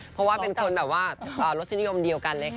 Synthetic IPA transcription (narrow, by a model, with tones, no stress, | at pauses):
pʰɔ˦˥waː˥˩pe˧nkʰo˧nbɛː˨˩waː˥˩ʔəː˧˩ɾo˦t̪̚si˧˩n˦˥˦jo˧mdi˧əwka˧nlɤː˧˩